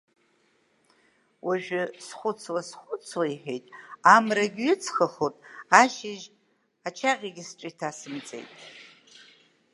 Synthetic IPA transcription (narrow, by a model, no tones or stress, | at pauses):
waʒᶣɪsχʷʊt͡sʰwasχʷʊt͡sʰwaiħḛjtʼamraɡʲɥɪt͡sʰχaχotʼaʃɪʒ | at͡ʃʰaʁʲaɡʲɪsʈ͡ʂʼɪitʰasɨmt͡sʼe̞̰jtʼ